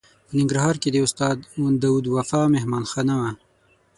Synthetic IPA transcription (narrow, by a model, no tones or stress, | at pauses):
pənɪŋɡɾaɦɑːɾked̪eʊst̪ɑːd̪und̪awud̪wafɑːmeɦmɑnxanawa